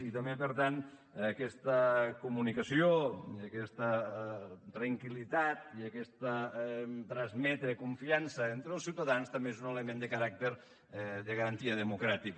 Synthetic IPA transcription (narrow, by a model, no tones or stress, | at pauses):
it̪əmbepəɾt̪an | əkɛst̪əkumunikəsioiəkɛst̪ə | t̪ɾəŋkilit̪at̪̚iəkɛst̪ə | t̪ɾəzmɛt̪ɾekuɱfiansəent̪ɾelˠsiwt̪aðanst̪əmbeezunelemend̪əkəɾak̚t̪eɾ | ðəɣəɾənt̪iəðəmukɾat̪ik